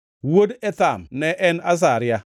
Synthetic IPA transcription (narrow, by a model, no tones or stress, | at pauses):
wodɛtamnɛʔɛnas̬aɾja